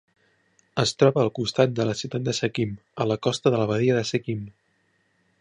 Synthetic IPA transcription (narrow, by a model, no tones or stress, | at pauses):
əst̪ɾɔβəːlˠkust̪at̪̚d̪ələsiwt̪at̪̚d̪əsəkimələkɔst̪əðələβəðiəðəsəkim